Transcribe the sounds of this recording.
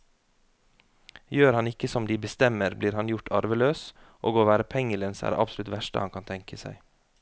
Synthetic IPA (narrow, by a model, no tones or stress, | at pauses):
jøːɾhɑnɪkəsɔmd̪iːbəst̪ɛməɾbliːɾhɑnjʊʈʰɑɾʋəløːs | ʔo̰ːɡoːʋæːɾəpʰɛŋələːnsæ̰ːɖḛʔɑ̰bsʊlʉt̪ʋæʃʈə̰hɑ̰nkʰɑnt̪ʰɛŋkʰəsæ̰ɪ